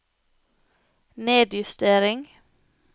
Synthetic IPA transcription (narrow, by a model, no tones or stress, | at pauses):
neːd̪jʉst̪eːɾɪŋ